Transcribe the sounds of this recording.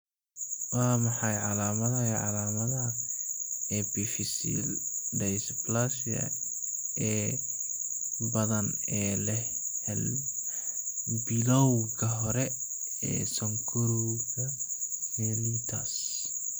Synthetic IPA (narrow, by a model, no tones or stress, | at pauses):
waːmɑħɑjʕɑlaːmɐðɐɛʕɑlaːmɐðɐ | ɛbifɪsḭldɛjsblasɐ̰ | ɛː | bɐðɐnɛːlɛɛl | bɪlɔwkʰɐɦɔɾɛ | ɛ̰ːsɔŋkʰɔɾɔɣɐhɛːlut̪ʰas